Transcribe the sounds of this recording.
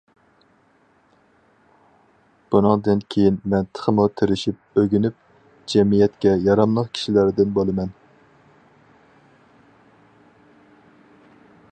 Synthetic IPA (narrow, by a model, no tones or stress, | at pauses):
b̥unɨŋd̪ɨnkʲʰejinmɛnt̪ʰə̥χʰəmut̪ʰɪɾɪʃip̚øɡʲynyp̚ | d͡ʒɛmijɛt̪kʲɛjɑɾɑmlˠəqkʲʰi̥ʃilæɾd̪ɪnbolˠɨmɛn